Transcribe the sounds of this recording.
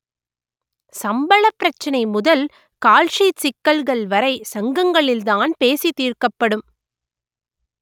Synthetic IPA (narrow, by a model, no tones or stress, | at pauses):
sɐmbɐɭɐpːɪɾɐt͡ʃːɐnɐɪmʊðɐl | kaːlʂit͡ʃɪkːɐlɣɐɭʋɐɾɐɪsɐŋɡɐŋɡɐɭɪld̪aːnpeːsit̪iːrkɐpːɐɽɯm